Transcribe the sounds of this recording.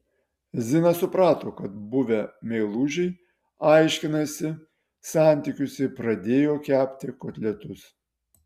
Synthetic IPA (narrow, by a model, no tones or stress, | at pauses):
zʲɪnɐsʊpɾɑːt̪oːkɐt̪̚bʊʋʲɛmʲɛɪlˠuːʒʲɛɪ | ɑˑɪʃʲkʲɪnɐsʲɪ | sɑˑnʲt̪ʲikʲʊsʲɪpɾɐd̪ʲeːjoːkʲæːpʲt̪ʲɪkoːt̪ʲlʲɛt̪ʊs